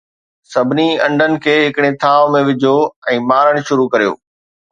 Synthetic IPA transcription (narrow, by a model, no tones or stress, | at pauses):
sɐbʱɪniɐ̃ɳɖʱənɪ̆kʰeːɦɪkɽ̃et̪ʰaːʋmẽʋɪd͡ʑʱoɛ̃ːmaːɾəɽ̃̆ʃʊɾukɐɾijo̰ː